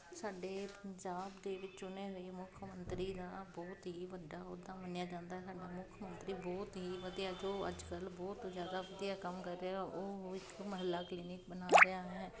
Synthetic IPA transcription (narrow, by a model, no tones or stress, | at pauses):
saːɖeːpəɲd͡ʒaːbd̪eːʋɪt͡ʃt͡ʃʊneːɦoeːmʊkʰːmənt̪ɾiːd̪aːbɔːt̪ɦiːʋəd̪aːʊd̪aːmənjaːd͡ʒãːnd̪aɦɛːsaːɖaːmʊkʰmənt̪ɾiːbɔːt̪ɦiːʋəd̪ɪaːd͡ʒoːə̰d͡ʒkəlbɔːt̪zjaːd̪aːʋəd̪ɪjaːkəmkəɾːeaːʔoːɦɪkməɦəlːaːkliːnɪk̚bənaːɾɪaːɛː